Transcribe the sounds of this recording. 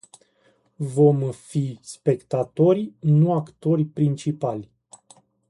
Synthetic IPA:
vo̞mfispe̞kt̪at̪o̞rʲnuakt̪o̞rʲpɾint͡ʃipalʲ

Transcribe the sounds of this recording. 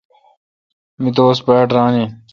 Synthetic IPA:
mit̪̬oːspaːʈɾãːniː

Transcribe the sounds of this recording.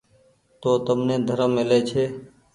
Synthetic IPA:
t̪oːt̪əmnẽːd̪ʱəɾəmːɪleːt͡ʃʰeː

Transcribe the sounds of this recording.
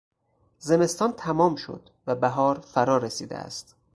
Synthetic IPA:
ze̞me̞st̪ɒːnt̪ʰæmɒːmʃo̰d̪ | væbæɦɒːɾfæɾɒːɾesiːd̪ḛʔæ̰st̪

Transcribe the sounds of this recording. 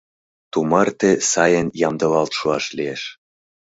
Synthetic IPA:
t̪umɑrt̪esɑjənjɑmd̪ɤ̆lɑlt̪ʃuɑʃlieʃ

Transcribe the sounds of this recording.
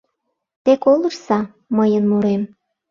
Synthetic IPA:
t̪ekolərsɑ | məjənmuɾem

